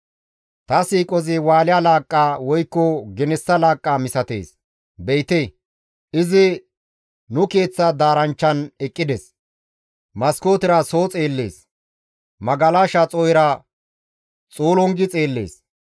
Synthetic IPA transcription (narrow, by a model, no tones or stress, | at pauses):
t̪ɐsiːkʼɔzɪwaːlɪjalaːkʼːaːwɔjkːɔɡɛnɛsːɐlaːkʼːaːmɪsɐt̪e̞̰ːs | bɛjt̪e | ɪzɪ | nʊke̞ːt͡sːɐd̪aːɾɐnt͡ʃːɐnɛkʼːɪd̪ɛs | mɐsko̞ːt̪ɪɾɐso̞ːt͡sʼeːlːḛːs | mɐɡɐlaːʃɐt͡sʼɔjɾɐ | t͡sʼoːlɔŋɡɪt͡sʼe̞ːlːḛːs